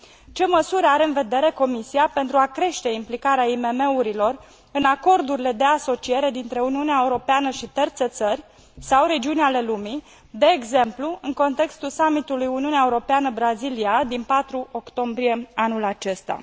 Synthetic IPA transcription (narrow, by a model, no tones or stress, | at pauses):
t͡ʃe̞məsuɾaɾeɨnve̞d̪e̞ɾe̞ko̞misiape̞nt̪ɾuakɾe̞ʃt̪e̞implikaɾeaime̞me̞uɾilo̞r | ɨnako̞rd̪uɾile̞d̪e̞aso̞t͡ʃie̞ɾe̞d̪int̪ɾe̞uniuneaeuɾo̞peanəʃit̪ərt̪set̪sərʲ | sawɾe̞d͡ʒiunʲale̞lumi | d̪e̞ːɡze̞mpluɨŋko̞nt̪e̞kst̪ulsamit̪ulujuniuneaeuɾo̞peanəbɾaziliad̪inpat̪ɾuʔo̞kt̪o̞mbɾije̞anulat͡ʃe̞st̪a̰